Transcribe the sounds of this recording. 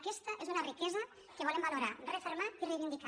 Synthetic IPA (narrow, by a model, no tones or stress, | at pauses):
kɛst̪aʔezunarikɛzɐ | keβɔlembaluɾarefeɾmat̪irejβind̪ika